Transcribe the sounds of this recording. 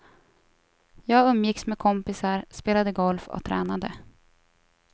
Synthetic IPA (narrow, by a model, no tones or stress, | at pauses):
jɑːɡɵmːjɪksmɛkʰɔmpɪsaɾspeːlad̪əɡɔlfɔ̰t̪ʰɾɛ̰ːnad̪ə̰